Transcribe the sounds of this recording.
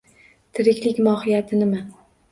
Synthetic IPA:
t̪ʰɪɾɪkʲlɪkʲmɒhɪjat̪ʰɪnɪma

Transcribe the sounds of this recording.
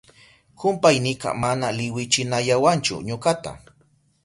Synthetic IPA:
kʊmpajnɪkɑ̰manalɪwɪt͡ʃɪnaʎawant͡ʃʊ̰ɲokat̪a̰

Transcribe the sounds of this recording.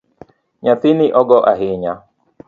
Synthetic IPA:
ɲat̪ɪniʔɔɡɔʔaɦɪɲa

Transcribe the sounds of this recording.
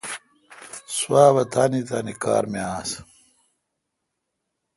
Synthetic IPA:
suwaːβɐt̪aːnit̪aːnika̰ːɾmeaːs

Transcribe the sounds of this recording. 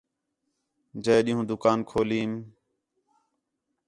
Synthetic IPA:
d͡ʒəːjɗɪːɦũːd̪ʊkaːnkʰoːliːm

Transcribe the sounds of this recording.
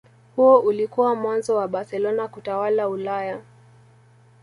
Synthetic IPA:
huɔʔulikuwamwanzɔwaɓaɾsɛlɔnakutawalaulaja

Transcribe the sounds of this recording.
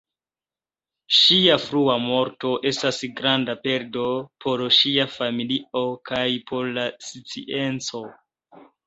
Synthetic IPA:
ʃiafɾuamo̞ɾto̞ʔe̞stasɡɾandape̞ɾdo̞pʰo̞ɾʃiafamilio̞kajpʰo̞ɾlasit͡sḭʔe̞nt͡so̞

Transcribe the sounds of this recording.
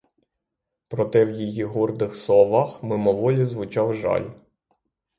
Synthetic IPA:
pɾɔt̪ɛwjijiɦɔrd̪ɪxsɔʋɑxmɪmɔʋɔlʲizʋʊt͡ʃɑwʒɑ̰lʲ

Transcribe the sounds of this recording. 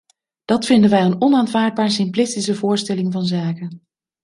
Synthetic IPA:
d̥ɑtfɪndənʋɛjənɔnaːntvaːɹd̚baːɹəsɪmplɪstisəvʊːɹstɛlɪŋvɑnzaːkən

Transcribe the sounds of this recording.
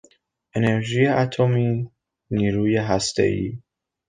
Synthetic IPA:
ʔe̞ne̞ɾʒijeʔat̪ʰomiː | niːɾuːjeɦæst̪ḛʔḭː

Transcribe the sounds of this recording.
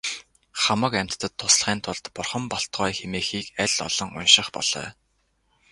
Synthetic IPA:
χamə̆kæm̥t̪ːə̆t̪ʰːʊsɮχiːnt̪ʰʊɮt̪pʊrχə̆mpɔɬt̪ʁɔːjxemeːxiːkæɮʲɔ̰ɮɞ̆ŋʊ̰nʃɪ̆χpɔ̰ɮ̥œ̰ː

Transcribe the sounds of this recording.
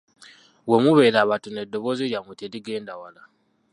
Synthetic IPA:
wemuβe̞ːɾaβatune̞dːo̞βo̞ziɾjamuteliɡe̞ːndawala

